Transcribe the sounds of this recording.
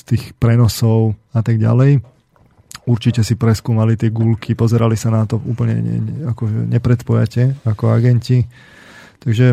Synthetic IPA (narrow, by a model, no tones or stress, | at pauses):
st̪iːxpɾɛnɔsɔʊat̪aɡɟa̰lɛj | uɾt͡ʃicɛsipɾɛskuːmalit̪ɪɛɡulkʰipɔzɛɾalisanat̪ɔṵːpl̩ɲɛ̰ɛ̰akɔʒɛ̰ɲɛpɾɛt̪pɔja̰cɛakɔaɡɛnci | t̪aɡʒɛ